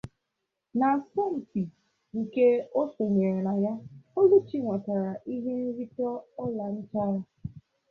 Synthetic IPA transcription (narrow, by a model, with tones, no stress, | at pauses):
na˨sɔ˦m̩˨pi˨ | ŋ̩˨ke˦o˦so˨ɲe˨ɾe˨na˨ja˦o˦lu˦t͡ʃi˦ŋʷa˨ta˨ɾa˨ʔi˦ɦe˦n̩˦ɾi˦tɔ˦ɔ˦la˨n̩˦t͡ʃa˦ɾa˨